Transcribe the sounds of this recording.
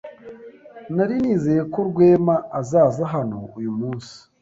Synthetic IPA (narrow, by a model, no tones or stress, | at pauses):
naɾiniːze̞jeko̞ɾɡwe̞ːmaːzaːzaɦano̞̰ujumuːnsi̥